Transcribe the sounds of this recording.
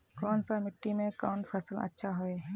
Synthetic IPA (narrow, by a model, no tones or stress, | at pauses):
kɔːnsamɪʈːimẽkaːnpʰəsələ̰tːʃʰaɦoeɦ